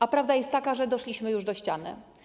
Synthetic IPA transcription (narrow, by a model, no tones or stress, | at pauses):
apɾavd̪ajɛst̪ːakaʐɛd̪ɔʂlʲiɕmɘjuʐd̪ɔɕt͡ɕanɘ̰